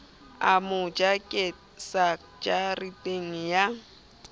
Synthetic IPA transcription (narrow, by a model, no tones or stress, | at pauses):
amʊd͡ʒakʼɪ | sa | d͡ʒaritʼeŋ̩ja